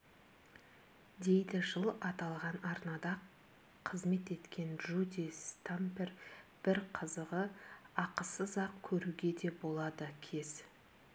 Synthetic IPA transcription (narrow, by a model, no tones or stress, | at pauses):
d̪e̞jd̪ɪʒəlˠɑt̪ɑlˠʁɑnɑɾnɑd̪ɑ | qʰəzme̞t̪e̞t̪kʲʰe̞nʒud̪ist̪amperb̥ɪɾqʰəzəʁəɑqəsəzɑqkʲʰɵɾuɡʲe̞d̪e̞bo̞lˠɑd̪əkʲʰe̞z̥